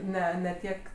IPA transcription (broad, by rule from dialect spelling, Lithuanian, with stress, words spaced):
ˈnʲɛ nʲɛ ˈtʲiɛk